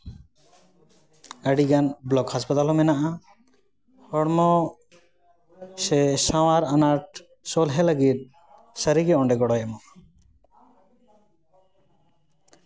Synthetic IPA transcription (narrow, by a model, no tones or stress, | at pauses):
aɽiɡanblɔkhaspat̪alɦɔmɛnaʔa | hɔɽmɔ | sesaw̃aɾanaʈ̚ | sɔlɦɛlaɡit̪̚ | saɾiɡeɔɳɖɛɡɔɽɔjɛmɔ